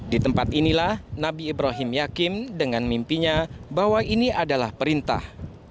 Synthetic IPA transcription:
dit̪əmpat̪inilahnabiːbɾaɦimjakɪmdəŋanmimpiɲabaɦwainiadalahpəɾint̪a̰h

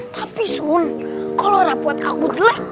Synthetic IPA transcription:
t̪apisunkaloɾapuat̪a̰kud̪ilɛ

